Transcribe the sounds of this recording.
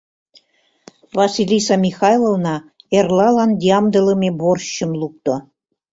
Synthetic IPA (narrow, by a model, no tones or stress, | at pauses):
βɑsilʲisɑmʲixɑjlˠovnɑerlɑlɑnd̪ʲiɑmd̪ə̆lə̆meborɕːə̆mluk̚t̪o